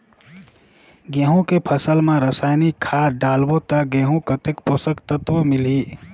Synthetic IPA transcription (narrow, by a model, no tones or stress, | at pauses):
ɡeɦũkepʰəsəlmãɾəsaɪnikʰːaɖaːlbot̪aɡẽːɦũkət̪ekposəkt̪ət̪ʋəmɪli